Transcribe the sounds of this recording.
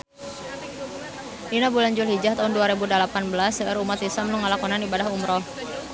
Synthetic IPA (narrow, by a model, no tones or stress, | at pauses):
ʔinabulaɲd͡ʒulɦid͡ʒaht̪aɦunduaɾebudalapanbəlasəʔəɾumat̪isamluŋalakɔnanibadahumɾɔh